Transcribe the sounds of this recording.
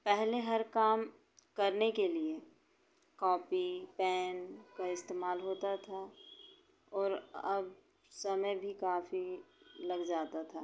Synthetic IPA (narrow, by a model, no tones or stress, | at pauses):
pɛɦleɦɐɾkaːm | kɐɾnekelie | kɔːpipɛːnkaɪst̪eːmaːlɦoːt̪at̪ʰa | ɔːɾɐb | sɐməjbʱikaːfilɐɡd͡ʒaːt̪at̪ʰaː